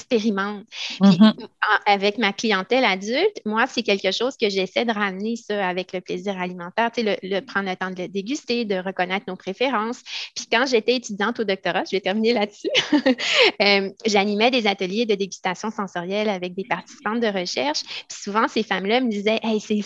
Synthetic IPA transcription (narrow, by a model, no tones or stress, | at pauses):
kspeʁimɑ̃t̪piɑ̃avɛkmaklijɑ̃t̪ɛlad̪ylt̪mwasɛkʲɛlkəʃɔʊz̥kəʒɛsɛd̪əʁamnesaavɛkləpleziːʁalimɑ̃t̪ɛːʁt̪t͡selələpχɑ̃d̪lət̪ɑ̃d̪ələd̪eɡʲyst̪ed̪əʁəkɔnɛːt̪χnopχefeʁɑ̃ːspikɑ̃ʒet̪ɛet̪yd̪ijɑ̃t̪od̪ɔk̚t̪ɔʁaʒəvɛt̪ɛʁminelat̪sy | ømʒanimɛd̪ezat̪əljed̪əd̪eɡʲy̥st̪asjɔ̃sɑ̃sɔʁjɛlavɛk̚d̪epaʁt̪i̥si̥pɑ̃t̪̚d̪əʁəʃɛʁʃpi̥suvɑ̃sefamlaməd̪izɛʔɛse